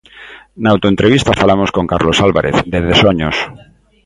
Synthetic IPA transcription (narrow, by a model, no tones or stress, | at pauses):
naawt̪oẽnt̪ɾeβist̪afalamoskoŋkaɾlosalβa̰ɾʔeθðeðesoɲos